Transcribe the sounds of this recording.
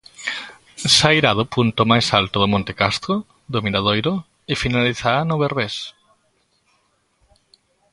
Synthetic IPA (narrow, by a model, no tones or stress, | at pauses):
sajɾaðʊpunt̪ʊmajsalt̪oðʊmõnt̪ekast̪ɾo | ðomiɾað̞ojɾʊ | ɪfinaliθaanoβeɾβes